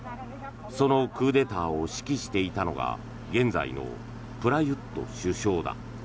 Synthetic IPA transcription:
so̞no̞kɯːd̪e̞t̪aːoɕi̥kʲiɕi̥t̪e̞it̪ano̞̰ɡa̰ | ɡẽ̞nd͡za̰ḭno̞̰ | pɯ̟ɾajɯ̟t̪ːo̞̰ɕɨɕo̞ːd̪a̰

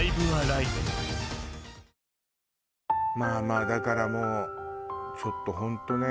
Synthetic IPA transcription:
ibɯaɾait̪o | maːmaːd̪akaɾamo | sot̪ːoɦõnt̪one

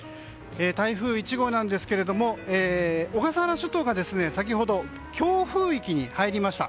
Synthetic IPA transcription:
eːt̪aiɸɯ̟ːit͡ɕiɡo̞ːnãnd̪e̞sɨ̥ke̞ɾe̞d̪o̞mo̞eːoɡasaɾaɕɨt̪oːɡad̪e̞sɨne̞sak̬ʲiɦo̞d̪o̞ | kʲo̞ːɸɯ̟ːikʲiɲ̟ihaiɾʲimaɕi̥t̪a̰

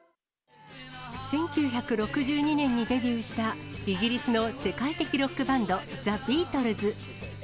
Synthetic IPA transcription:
sẽ̞ŋkʲɨːçakɯ̟ɾo̞kɯ̟ʑɨːɲ̟inẽ̞ɲ̟ːid̪e̞bʲjɨːɕi̥t̪aiɡʲiɾʲisɨno̞se̞kait̪e̞kʲiɾo̞kːɯ̟bãnd̪o̞zabʲiːt̪o̞ɾɯ̟zɨ

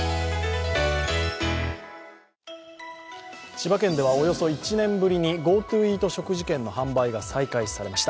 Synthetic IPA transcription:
ɕibakẽ̞nd̪e̞β̞ao̞jo̞so̞it͡ɕinẽ̞mbɯ̟ɾʲiɲ̟iɡo̞ːt̪ɯːiːt̪o̞ɕo̞kɯ̟ʑikẽ̞nːo̞hãmbaiɡasaikaisaɾe̞maɕi̥t̪a

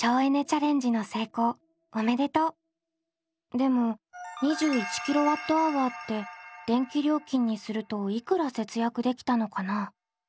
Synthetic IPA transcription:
t͡ɕoːene̞t͡ɕaɾẽ̞ɲ̟d͡ʑino̞se̞ːko̞ː | ome̞d̪e̞t̪o̞ | d̪e̞mo̞ɲ̟iʑɨːit͡ɕi̥kʲiɾo̞βat̪ːo̞aβat̪ːe̞d̪̥ẽ̞ŋkʲiɾʲjo̞ːkʲĩɲ̟ːisɨɾɯ̟t̪o̞ikɯ̟ɾase̞t͡sɨjakɯ̟d̪e̞kʲi̥t̪ano̞kana

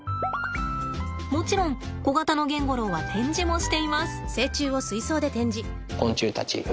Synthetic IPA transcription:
mo̞t͡ɕiɾõ̞ŋ | ɡ̥o̞ɡat̪ano̞ɡẽ̞ŋɡo̞ɾo̞ːβat̪ʰẽ̞ɲ̟d͡ʑimo̞ɕi̥t̪e̞imasɨ̥se̞ːt͡ɕɨːo̞sɨiso̞ːd̪e̞t̪ẽ̞ɲ̟d͡ʑi | kõ̞ɲt͡ɕɨːt̪at͡ɕḭ

